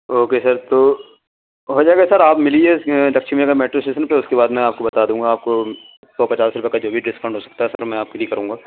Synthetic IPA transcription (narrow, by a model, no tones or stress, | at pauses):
oːkesɐɾt̪oː | ɦoːd͡ʒaːɡɛsɐɾaːpmɪlielɐkʃʰimeekameːʈɾosʈeːsənpeʊskebaːd̪mɛ̃aːp̚kobɐt̪aːd̪ũːŋɡaːp̚ko | sɔːpɐt͡ʃaːsɾʊpekad͡ʒoːbʱiɖɪsfʰɐ̃ɳɖɦoːsɐ̥k̚t̪aɦɛsɐɾmɛ̃aːp̚kid̪ikɐɾũːŋɡaː